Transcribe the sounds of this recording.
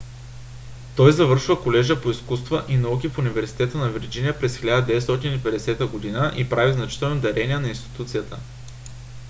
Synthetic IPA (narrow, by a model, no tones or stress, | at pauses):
t̪ɔjzɐvɤɾʃvəkolɛʒəpoiskust̪vəʔinɐuk̬ʲifunivɛɾsi̥t̪ɛt̪ənɐviɾd͡ʒinijəpɾɛsxʲilʲad̪əd̪ɛvɛt̪st̪ɔt̪inipɛd̪ɛsɛt̪əɡod̪inəʔipɾaviznɐt͡ʃi̥t̪ɛlˠnod̪ɐɾɛniɛnɐinst̪i̥t̪ut̪sijət̪ə̰